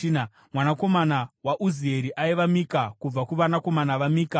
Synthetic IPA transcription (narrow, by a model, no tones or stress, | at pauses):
na | mwanako̞manawaʔuzieɾiʔaiʋamikakub͡vakuʋanako̞manaʋamiːka